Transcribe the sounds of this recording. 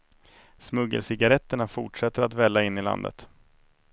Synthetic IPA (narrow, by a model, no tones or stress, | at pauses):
smɵɡə̰lsɪɡaɾɛt̪ːəɳafʊʈʂɛt̪ːəɾat̪vɛlːaɪnːɪla̰nd̪ə̰t̪